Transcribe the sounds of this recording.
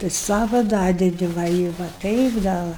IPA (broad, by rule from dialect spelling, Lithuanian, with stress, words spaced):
tɐɪ ˈsɑːʋɐ ˈdɑːdʲɛdʲɪ ˈʋɐ ɪ ʋɐ ˈtɐɪp dɐ ˈʋɐ